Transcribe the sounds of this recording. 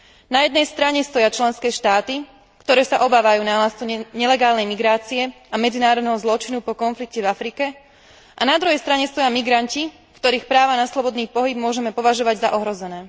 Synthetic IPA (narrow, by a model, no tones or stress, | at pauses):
najɛd̪nɛjst̪ɾaɲɛst̪ɔjat͡ʃlɛnskɛːʃt̪aːt̪i | kt̪ɔɾɛːsaʔɔbaːʋajuːnaːlast͡suɲɛlɛɡaːlnɛjmiɡɾaːt͡siɛ | amɛd͡zinaːɾɔd̪nɛɦɔzlɔt͡ʃinupɔkɔnflikcɛvafɾikɛ | ʔanad̪ɾuɦɛjst̪ɾaɲɛst̪ɔjamiɡɾanci | kt̪ɔɾiːxpɾaːʋanaslɔbɔd̪niːpɔɦib̚mʊɔʒɛmɛpɔʋaʒɔʋaɟzaʔɔɦɾɔzɛnɛː